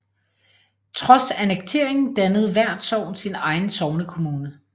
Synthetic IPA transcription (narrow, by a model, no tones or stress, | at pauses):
t͡sʰʁɒ̽sæneɡ̥̚t͡sʰe̝ɐ̰e̝ŋn̩d̥ænəð̞̩ˠʋæɐ̰d̥sɒʊ̰nsinɑ̈ɪn̩sɒʊnəkʰo̝muːnə